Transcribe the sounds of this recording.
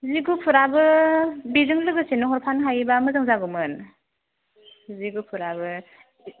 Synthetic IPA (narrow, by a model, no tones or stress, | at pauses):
ziɡupʰuɾabɯbizɯŋlɯɡɯsenɯɦɔɾpʰanɦajbamɯzɯŋzaɡɯmɯn | ziɡupʰuɾabɯ